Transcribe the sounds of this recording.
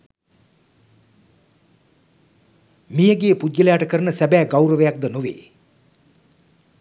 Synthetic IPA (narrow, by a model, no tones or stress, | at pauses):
mijəɡeəpud̪̚ɡəlejaʈəkəɾənəsæbæːɡawɾəʋəjak̚d̪ənuʋḛː